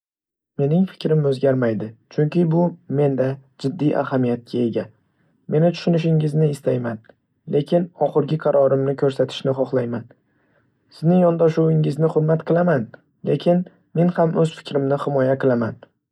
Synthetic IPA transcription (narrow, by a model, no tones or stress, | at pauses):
me̞nɪŋfɪ̥kʲɾɪmɵzɡʲaɾmajd̪ɪt͡ʃʰʊŋkʲʰɪbʊme̞nd̪ad͡ʒɪd̪ːijʔa̰hamijat̪̚kʲʰae̞ɡʲa | me̞nɪt̪ʰʊ̥ʃʊnɪʃ̬ɪŋɪznɪːst̪ʰajman | lʔe̞kʲɪnɒχɨɾɡʲɪqʰɑɾʔɒɾɪmnɪkʲʰɵɾsat̪ʰɪ̥ʃnɪχɒχlˠajman | sɪznɪŋjɒnd̪aʃuwɪŋɪznɪχʊɾmat̪qʰɨlˠaman | le̞kʲʰɪn | me̞nhamɵz̥fɪ̥kʲʰɾɪmnɪhɪmɒjaqɨlˠaman